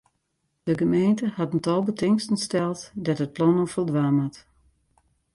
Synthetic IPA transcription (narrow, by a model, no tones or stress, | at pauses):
d̥əɡəmejntəhɑtən̩tɔlˠbətɪŋstənstɛlˠtdɔtət̚plɔnofəlˠdʋaːmat